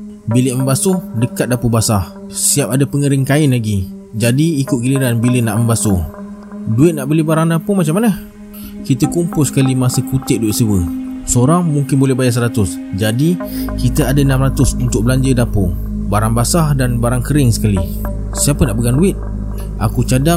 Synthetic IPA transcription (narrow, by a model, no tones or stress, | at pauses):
bilɪʔməmbasʊhdəkat̪̚dapubasah | ssiapadapəŋəɾɪŋkaɪnlaɡi | d͡ʒadiːkʊt̪̚kiliɾanbilɪnaʔməmbasʊ | duɪt̪̚naʔbəlibaɾaŋdapumat͡ʃamːanəh | kit̪əkumpʊlsə̥kalimasəkut̪ɪʔ̚duɪt̪̚səwəsəoɾaŋmuŋkɪnbolɛhbajas̬əɾat̪ʊs | d͡ʒadikit̪əadaənamɾat̪ʊsunt̪ʊk̚bəlaɲd͡ʒədapo | baɾaŋbasahdanbaɾaŋkəɾɪŋsə̥kali | siapənaʔbəɡanduɪt̪̚ | ʔa̰kut͡ʃada